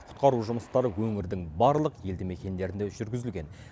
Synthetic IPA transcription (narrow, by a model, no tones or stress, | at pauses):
qʰʊ̥t̪qɑɾuʒʊməst̪ɑɾəwɵŋɪɾd̪ɪŋbɑɾlˠəqje̞ld̪ɪme̞kʲe̞nd̪e̞ɾɪnd̪eʒʏɾɡʲɪzɪlɡʲe̞n